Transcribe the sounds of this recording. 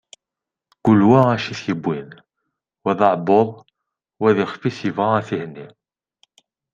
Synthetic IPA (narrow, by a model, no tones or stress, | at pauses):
ɡ̥ʊlːwææʃiθjəbːin | wæðɑʕboðˤ | wæðiχfisjəvʁɑæθihnːi